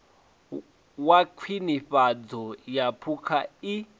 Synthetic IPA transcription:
wakʰwiniɸad͡zɔjapʰukʰai

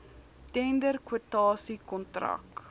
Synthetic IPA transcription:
tɛndərkwutɑːsikɔntra̰k

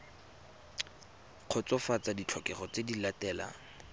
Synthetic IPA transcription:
q͡χʰʊt͡sɔfat͡sadit͡ɬʰɔkɛχɔt͡sedilatɛːla̰

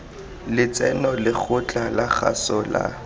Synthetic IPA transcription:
lɪt͡sɛnɔlɪk͡xʰʊt͡ɬʼalaχa̰sɔla̰

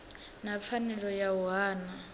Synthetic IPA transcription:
nap̪fʰanɛlɔjaaːna

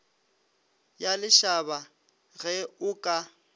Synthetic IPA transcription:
jalɪʃaba | ɣɛʊkʼa

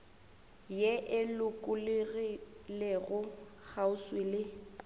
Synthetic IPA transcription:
jeʔɪlʊkʼʊlɪɣileɣʊk͡xaʊswelɪ

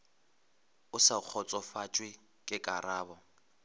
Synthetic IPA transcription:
ʊsak͡xʰɔt͡sʼɔfat͡ʃʼwɪ | kʼɪkʼaraːbɔ

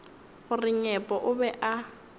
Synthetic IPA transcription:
ɣʊrɪɲɛpʼɔʔʊbɛʔa

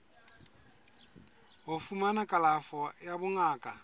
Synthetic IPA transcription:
ɦʊfumanakʼalafɔjabʊŋaːkʼa

